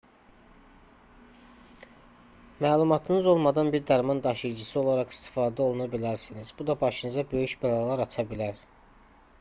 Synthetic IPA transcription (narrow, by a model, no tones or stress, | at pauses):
mæːlˠumɑt̪ʰɯnɯzo̞lˠmɑd̪ɑnbiɾd̪æɾmɑnd̪ɑʃɯjd͡ʒɯsio̞lˠɑɾɑχi̥st̪i̥fɑːd̪æo̞lˠunɑbilæɾsinizbud̪ɑbɑʃɯnɯzɑbø̞jyʃbælˠɑlˠɑɾɑt͡ʃʰɑbilæɾ